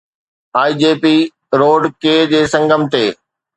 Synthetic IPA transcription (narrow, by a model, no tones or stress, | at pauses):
aːiːd͡ʑeːpiː | ɾoːɖkeːd͡ʑeːsɐ̃ŋɡʱəmt̪eː